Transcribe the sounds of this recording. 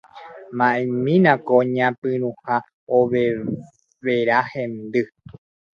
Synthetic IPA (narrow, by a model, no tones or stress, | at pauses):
mãʔemĩnãkoɲãpɨ̃ɾũha | oβe | ʋeɾahẽnd̪ɨ